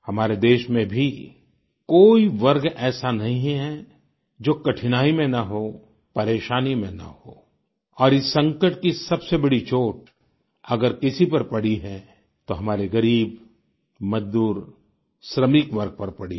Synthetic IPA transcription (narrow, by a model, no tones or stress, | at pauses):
hɐmaːɾed̪eːʃmẽbʱi | koːiʋɐɾɡɛːsanɐɦĩɦɦɛ | d͡ʒoːkɐʈʰɪnaːimẽnaɦo | pɐɾeːʃaːnimẽna̰ɦoː | ɔːɾɪsːɐ̃ŋkəʈ̚kisɐbsebɐɽit͡ʃoːʈ̚ | ɐɡəɾkɪsipɐɾpɐɽ̤iɦɛ | t̪oɦɐmaːɾeɡɐɾiːb | mɐd͡ʒd̪uːɾ | ʃɾəmɪkʋɐɾɡ̚pɐɾpɐɽi